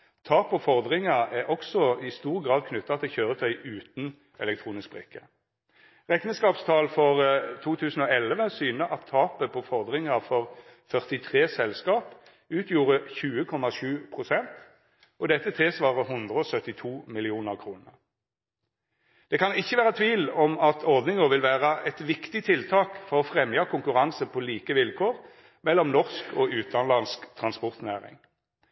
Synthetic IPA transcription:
t̪ʰɑːpɔfɔʁd̪ʁɪŋɑæʁʔɔksɔɪst̪uːʁɡʁɑːd̪̚kʰnʉt̪ːɑt̪ʰɪlçøːʁət̪ʰœɪʔʉːt̪n | ʔɛ̰lɛk̚t̪ʰʁuːnɪsk̚bʁɪ̰kːə | ʁɛknəskɑːpst̪ʰɑːlfɔʁt̪ʰuːt̪ʰʉːsn̩oːɛlʋəsyːnəʔɑt̪ʰːɑːpəpʰɔfɔʁd̪ʁɪŋɑfɔʁ | fœʁt̪ɪt̪ʰʁeːsɛlskɑːp | ʉːt̪ʰjuːʁəçʉːəkʰɔmːɑʃʉːpʰʁʊsɛnt̪ | ʔɔd̪ɛt̪ːət̪ʰɪsʋɑːʁəɦʊnd̪ʁəɔsœt̪ːɪt̪ʰuːmɪlɪuːnəʁkʰʁuːnəʁ | d̪̥ɛkʰɑnɪçːəʋæːʁət̪ʰʋiːlɔmɑt̪ʰɔʁd̪nɪŋəʋɪlʋæːʁəʔɛt̪ʋɪkt̪ɪt̪ʰɪlt̪ʰɑːkfɔʁɔfʁɛmjɑkʰʊŋkʉʁɑnsəpʰɔliːkəʋɪlkʰoːʁ | mɛlːɔmnɔʁskʰɔʉːt̪ɑnlɑnskt̪ʰʁɑnspɔʁt̪næːʁɪ̰ŋ

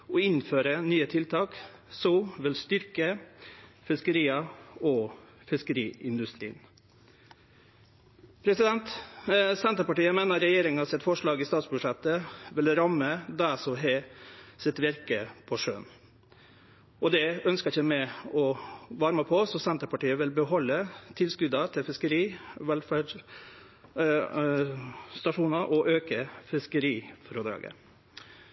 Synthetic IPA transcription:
ɔɪnføːɾənyːət̪ʰɪlt̪ʰɑːk | sɔʋɪlst̪ʏɾkə | fɪskəɾiːəɔ | fɪskəɾiːɪnd̪ʉst̪ɾḭːn | pʰɾɛsɪd̪ɛnt̪sɛnt̪əɾpɑʈiːəmeːnəɾɛjeːɾɪŋənɑsɛt̪fɔʂɭɑːɡɪst̪ɑːt̪sbʉʂɛt̪ːəʋɪlɾɑmːəd̪æsɔɦɛsɪt̪ʋɪɾkəpʰɔʂø̰ːn | ʔɔd̪ɛœnskəɪçəmɛɔʋɑɾməpʰɔsɔsɛnt̪əpɑʈiːəʋɪlbəɦɔlːət̪ʰɪlskʉd̪ɑt̪ʰɪlfɪskəɾiːʋɛlfæɖ | st̪ɑʂuːnɑʔɔʔøːkəfɪskəɾiːfɾod̪ɾɑ̰ːɡə̰

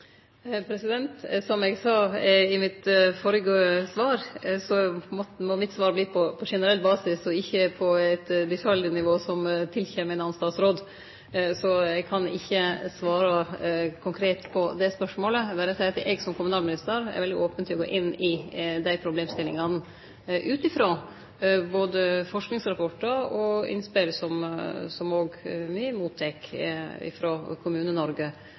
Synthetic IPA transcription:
pʰɾɛsɪd̪ɛnt̪sɔmɛɡsɑːɪmɪt̪foːɾəɡosʋɑːɾsɔmɔmɔmɪt̪sʋɑːɾbliːpʰɔpʰɔʂɛnəɾɛlbɑːsɪsɔɪçːəpʰɔæɪt̪b̪ɪfɑlɪnɪʋoːsɔmt̪ʰɪlçeːmɛnɑnst̪ɑːt̪sɾoːd̪ | sɔɛɡkʰɑnɪ̰çːəsʋɑːɾɑkʰʊŋkʰɾeːt̪pʰɔd̪ɛspœʂmoːləʋæːɾəsɛɪt̪ʔɛɡsɔmkʰʊmʉnɑːlmɪnɪst̪əɾɛ̰ɾʋɛld̪ɪʔoːpənt̪ɪɔɡo̰ːʔɪnːɪd̪æɪpʰɾʊbleːmst̪ɪlɪŋɑn | ʔʉːt̪ɪfɾoː | boːd̪əfɔʂknɪŋsɾɑpɔʈːəɾɔɪ̰nspɪlsɔmsɔmoːɡmɪmuːd̪t̪ʰːɛkɪ̰fɾoːkʰʊmʉːnənɔɾɡə

